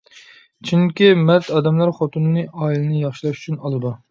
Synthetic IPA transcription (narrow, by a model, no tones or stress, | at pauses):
t͡ʃʰinɪkʲimɛt̪ʰɑːd̪ɛmlæɾχot̪ʰunɨnɨʔɑːilˠɨnɨjɑχʃilˠɑʃy̥t͡ʃʰynɑlˠɨd̪u